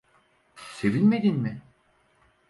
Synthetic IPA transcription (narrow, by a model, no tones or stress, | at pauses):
se̞vinme̞d̪inmɪ